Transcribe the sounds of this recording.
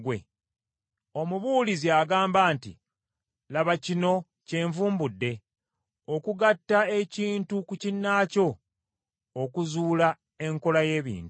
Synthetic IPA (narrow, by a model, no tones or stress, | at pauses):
ɡwe̞̰ | o̞muβuːliziaɡaːmbaːntḭ | laβacino̞ | ce̞ːɱvuːmbudːe̞ | okuɡatːae̞ciːntukucinːaːco̞ː | kuzuːla | e̞ŋko̞laje̞ːβḭːnt